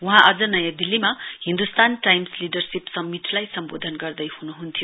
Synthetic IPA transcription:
wuɦãʔʌd͡zʌnʌjãd̪ilːimahind̪ust̪anʈajmsliɖʌrsipsʌmːiʈlajsʌmbod̪ʱʌnɡʌrd̪ʌjhunuɦunt̪ʰijo

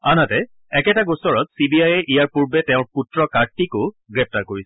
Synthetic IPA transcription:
anatɛ | ɛkɛtaɡosɔɹɔtsibiajɛʔijaɹpuɹbɛtɛʊ̃ɹputɹɔkaɹtikʊ | ɡɹɛp̚taɹkoɹisɛ̥

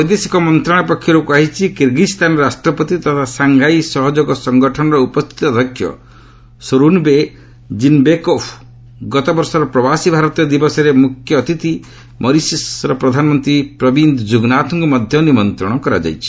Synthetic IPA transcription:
pɔjd̪esi̥kɔmɔnt̪ɾaɽ̃ɔpɔkʰːjɔɾokuaɦit͡ʃʰikiɾɡist̪ʰanɔɾasʈɾɔpɔt̪it̪ɔt̪ʰasaŋɡʱajsɔɦɔd͡ʒɔɡɔsɔŋɡɔʈʰɔɽ̃ɔɾeupɔst̪ʰi̥t̪ɔd̪ʱɔkʰːjɔ̰ | soɾunbe | d͡ʒinbekopʰ | ɡɔt̪ɔbɔɾsɔɾɔpɾɔbasibʱaɾɔt̪ijɔd̪ibɔsɔɾemukʰjɔːt̪it̪i | mʔɔɾisisɾɔpɾɔd̪ʱanɔmɔnt̪ɾipɾɔbind̪ʱd͡ʒuɡnat̪ʰɔŋkumɔd̪ʱjɔnimɔnt̪ɾɔɽ̃ɔkɔɾa̰d͡ʒa̰jt͡ʃʰi̥

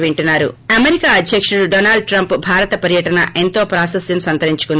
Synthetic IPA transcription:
ʋeɳʈunːaːɾṵɐmeɾikaːɐd̪ʱjɐkʂuɽuɖoːnaːɭɖ̚ʈɾɐmpbʱaːɾɐt̪ɐpɐɾjɐʈɐnɐ̰ʔe̞nt̪o̞ːpɾaːsɐsjɐmsɐnt̪ɐɾiɲt͡ʃu̥kund̪

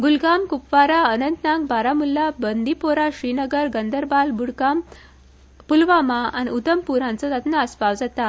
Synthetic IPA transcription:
ɡulɡamkupʋaɾaənənt̪nãŋɡbaɾamulːabənd̪ipoɾaɕɾinəɡəɾɡənd̪əɾbalbuɽɡam | pulʋamaa̰niud̪əmpuɾãnt͡sɔt̪at̪naəspaʋd͡zat̪a

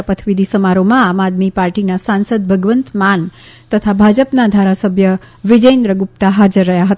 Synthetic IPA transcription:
pət̪ʰʋid̪ʱisəmaɾomãamad̪mipaɾʈinasansəd̪̚bʱəɡʋənt̪man | t̪ət̪ʰabʱad͡ʒəpnad̪ʱaɾasəbʱjə | ʋɪd͡ʒəjnd̪ɾəɡup̚t̪aɦad͡ʒəɾːəɦjaɦət̪a

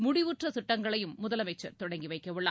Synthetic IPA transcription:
mʊɽɪʋuʈrɐsɪʈːɐŋɡɐɭɐjɯmːʊðɐlɐmɐɪt͡ʃːɐɾt̪ɔɽɐŋɡiʋɐɪkːɐʋɯɭːɐ

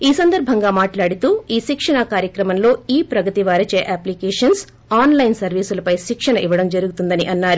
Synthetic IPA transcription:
iːsɐnd̪ɐɾbʱɐŋɡaːmaːʈlaːɽit̪uːiːʃikʂɐɳɐkaːɾjɐkɾɐmɐmlo̞ːiːpɾɐɡɐt̪iʋaːɾɐt͡ʃeːʔaːplikɛːʂɐns | aːnlɐjnsɐɾʋiːsulɐpɐjʃikʂɐɳɐʔiʋɐɽɐmd͡ʒɐɾuɡut̪und̪ɐniʔɐnːaːɾu

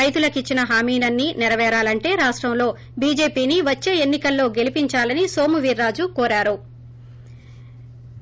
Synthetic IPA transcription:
ɐjt̪ulɐkit͡ʃːinɐɦaːmiːnɐnːinɛɾɐʋɛːɾaːlɐɳʈe̞ːɾaːʂʈɾɐmlo̞ː | biːd͡ʒe̞ːpiːniʋɐt͡ʃːe̞ːenːikɐlːo̞ːɡe̞lipiɲt͡ʃaːlɐnisoːmuʋiːɾːaːd͡ʒukɔːɾaːɾu

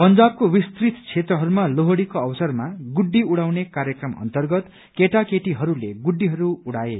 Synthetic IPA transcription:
pʌnd͡zab̚kowist̪rit̪t͡sʰet̪rʌɦʌɾumaloɦoɽikoʌbʌsʌrmaɡuɖːiuɽawnekaɾjʌkrʌmʌ̰nt̪ʌrɡʌt̪ | keʈakeʈiɦʌɾuleɡuɖːiɦʌɾuuɽae

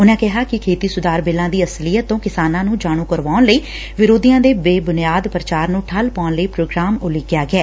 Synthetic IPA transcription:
ʊnãːkɛɦaːkɪkʰeːt̪iːsʊd̪aːɾbeːlãːd̪iːəslɪjəõːkɪsaːnãːnũːd͡ʒaːɽ̃ũːkəɾʋaːʊnləiː | ʋɪɾoːd̪iːjãːd̪eːbeːbʊnɪjaːd̪pəɾət͡ʃaːɾnũːʈʰəlpaːʊnləiːpɾoːɡɾaːmʊliɡjaːɡɪɛː

